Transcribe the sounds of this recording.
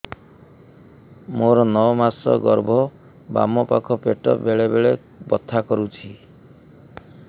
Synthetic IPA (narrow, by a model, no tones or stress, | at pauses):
moɾɔnɔmasɔ̰ɡɔɾbʱɔ | ba̰mɔpakʰɔpeʈɔ̰beɭebeɭe | bɔt̪ʰːakɔɾut͡ʃʰi